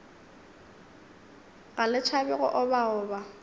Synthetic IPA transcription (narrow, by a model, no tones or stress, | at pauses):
ɣalɪt͡ʃʰabɛɣɔ̰ʔʊbaʊːba